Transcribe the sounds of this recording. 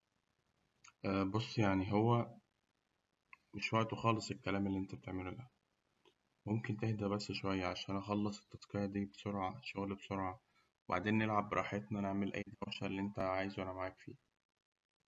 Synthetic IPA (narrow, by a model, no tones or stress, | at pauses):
ʔæbosˤːjaʕniɦowːæ | meʃwæʕt̪oxɑːlesˤelkːælæːmelːiʔent̪æb̥̚t̪eʕmelulæ | momkent̪ehd̪æbæsːʃowæjːæʕaʃæːʔnæʔɑxɑlːɑsˤe̥t̪ːɑsˤqejɑd̪iːbesoɾʕaʃoɣlæbsoɾʕɑ | ba̰ʕd̪eːnːelʕabːɾˤɑ̰ːħet̪næneʕmelʔæ̰jːd̪æwʃælːiʔent̪æʕaːjezwʔænæmaʕaːkfḭː